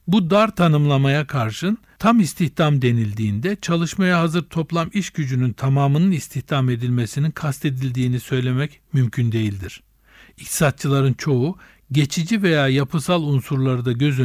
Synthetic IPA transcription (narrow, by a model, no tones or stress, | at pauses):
bud̪aɾt̪ʰanɯmlˠamajakʰaɾʃɯn | t̪ʰamist̪ʰiht̪amd̪e̞nilʲd̪iːnd̪ɛt͡ʃʰalˠɯʃmajaɦazɯɾt̪ʰo̞plˠamiʃɟyd͡ʒynynt̪ʰamaːmɯnɯnist̪ʰiht̪ʰame̞d̪ilʲme̞sininkʰast̪ʰe̞d̪ilʲd̪iːnisø̞jlʲe̞mɛcmymcʰynd̪e̞jilʲd̪iɾ̥ | ic̚t̪ʰi̥sat̪̚t͡ʃʰɯlˠaɾɯnt͡ʃʰo̞u | ɟe̞t͡ʃʰid͡ʒive̞jaːjapʰɯsalˠunsuɾlˠaɾɯd̪aɟø̞zy